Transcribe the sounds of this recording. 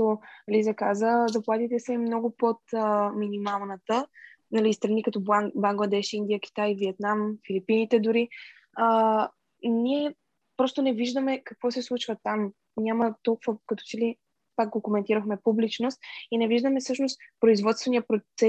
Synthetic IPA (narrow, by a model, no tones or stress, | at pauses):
olizɐkazəzɐplˠat̪it̪ɛsɛmnɔɡʊpot̪əminimalˠnət̪ə | nɐlist̪ɾɐnikɐt̪ɔbɐŋɡlˠɐd̪ɛʃind̪ijək̟i̥t̪ajviɛt̪̚namfilipinit̪ɛd̪ʊɾi | ə | niɛ | pɾɔst̪onɛviʒd̪əmɛkɐkvɔsɛslˠut͡ʃvət̪am | nʲamət̪ɔlˠkuvəkɐt̪ɔ̥t͡ʃɛli | pak̚ɡokomɛnt̪iɾəxmɛpublit͡ʃnost̪̚inɛviʒd̪əmɛsɤʃnost̪pɾoizvɔt̪st̪vɛniəpɾosɛ